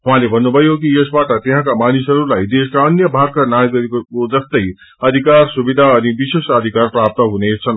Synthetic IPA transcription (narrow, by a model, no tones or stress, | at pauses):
ɦũɦãlebʱʌnːubʱʌjokiesbaʈʌt̪eɦãkamanisʌɾulajd̪eskaʌnjʌbʱaɾkanajɡʌɾekkod͡zʌst̪ʌj | ʌd̪ʱikarsubid̪ʱaʌnibisesʌd̪ʱikarprap̚t̪ʌɦunet͡sʰʌn